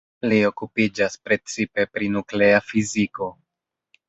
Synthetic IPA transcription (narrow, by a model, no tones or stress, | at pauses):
lio̞kupid͡ʒaspɾe̞t͡sipe̞pɾinukle̞afiziko̞